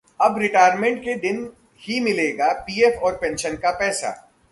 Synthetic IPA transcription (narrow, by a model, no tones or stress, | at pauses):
ɐbɾɪʈaːɾmẽɳʈ̚ked̪ɪn | himɪleːɡapiːɛfɔːɾpɛ̃nʃənkapɛːsa̰ː